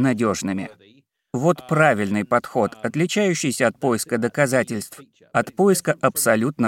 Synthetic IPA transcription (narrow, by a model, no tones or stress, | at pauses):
nɐdʲo̞ʐnɨmʲɪ̰ | vo̞t̪pɾavʲɪlʲnɨjpɐt̪xo̞t̪ɐt̪lʲɪt͡ɕæjʉɕːɪjsʲəɐt̪̚po̞jɪskəd̪əkɐzatʲɪlʲst̪f | ɐt̪pojɪskəʔɐpsɐlʲut̪̚nə